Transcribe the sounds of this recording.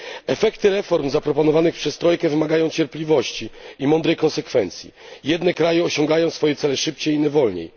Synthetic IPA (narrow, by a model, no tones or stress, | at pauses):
ɛfɛkt̪ɘɾɛfɔɾmzapɾɔpɔnɔvanɘxpʂɛst̪ɾɔjkɛvɘmaɡajɔ̃w̃t͡ɕɛɾplʲivɔɕt͡ɕiimɔnd̪ɾɛjkɔnsɛkfɛnt̪sʲjḭjɛd̪nɛkɾajɛɔɕɔŋɡajɔ̃w̃sfɔjɛt̪sɛlɛʂɘpt͡ɕejinɛvɔlɲḛj